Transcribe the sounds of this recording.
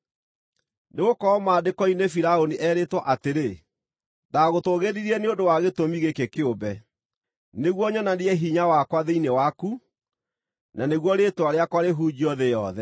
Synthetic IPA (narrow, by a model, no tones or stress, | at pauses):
neɣokɔɔmaːdekɔinefiɾaoniʔɛːɾetwaʔateɾe | daɣotoɣeɾiɾiɛneodowaɣetomiɣekekeobɛ | neɣwɔɲɔnaniɛɦiɲawakwaðeinewaku | naneɣwɔɾetwaɾeakwaɾeɦuːd͡ʑiɔðejɔ̰ðɛ